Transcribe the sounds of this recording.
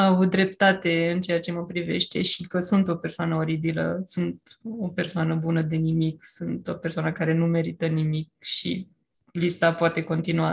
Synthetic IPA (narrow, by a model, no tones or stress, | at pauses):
avut̪̚d̪ɾe̞pt̪at̪e̞ɨnt͡ʃe̞jat͡ʃe̞məpɾive̞̰ʃt̪e̞ʃikəsunt̪o̞pe̞rsoanəoɾibilə̰sunt̪̚o̞pe̞rsoanəbunəd̪e̞nimiksunt̪o̞persoanəkaɾe̞nume̞ɾit̪ənimik̚ʃḭ | list̪apoat̪e̞ko̞nt̪inua